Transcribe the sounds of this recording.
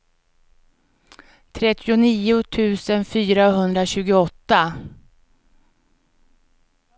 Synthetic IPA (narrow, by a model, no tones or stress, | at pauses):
t̪ʰɾɛt̪ːɪʊniːʊt̪ʰʉ̟ːsənfyːɾaɦɵnd̪ɾaɕʉ̟ːɡʊɔt̪ːa